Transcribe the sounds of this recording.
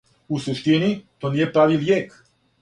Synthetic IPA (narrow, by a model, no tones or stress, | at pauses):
useʃt̪init̪onijepɾaʋiljeːk